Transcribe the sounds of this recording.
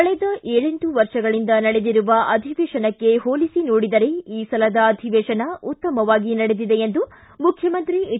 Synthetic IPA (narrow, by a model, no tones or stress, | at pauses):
kɐɭɛd̪ɐʔeːɭeɳʈuʋɐɾʂɐɡɐɭind̪ɐnɐɽe̞d̪iɾuʋɐʔɐd̪ʱiʋeːʃɐnɐkːe̞ɦoːlisinoːɽid̪ɐɾeiːsɐlɐd̪ɐːd̪ʱiʋeːʃɐnɐut̪ːɐmɐʋaːɡinɐɽe̞d̪id̪e̞end̪u | mukʰjɐmɐnt̪ɾi